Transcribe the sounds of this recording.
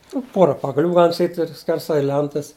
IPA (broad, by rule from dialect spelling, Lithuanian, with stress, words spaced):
nʊ ˈpoːrɐ pɐɡɐˈlʲuː ˈɡɑːlʲɪm sɐˈkʲiːtʲ ɪr sʲkʲɛrˈsɐɪ ˈlʲɛntɐs